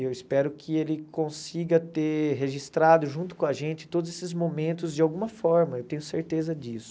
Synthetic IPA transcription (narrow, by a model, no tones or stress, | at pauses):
ewispɛɾʊkʰɪelɪkõsiɡɐt̪eɾɦeʒist̪ɾad̪ʊʒũnt̪ʊ̥kõɐʒẽnt͡ʃɪ̥t̪od̪ʊzesɪzmomẽnt̪ʊzd͡ʒɪawɡũmɐfɔɾmɐewt̪ẽɲʊseɾt̪ezɐd͡ʒisʊ̥